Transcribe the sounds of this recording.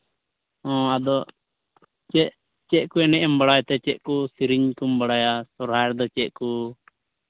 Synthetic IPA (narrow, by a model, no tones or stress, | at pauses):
ɔ̃ad̪ɔ | t͡ʃɛʔ | t͡ʃɛʔ̚kuɛnɛʔɛmbaɽajt̪ɛt͡ʃɛʔ̚kusiɾiɲkumbaɽajasɔɾɦaɾd̪ɔt͡ʃɛʔ̚ku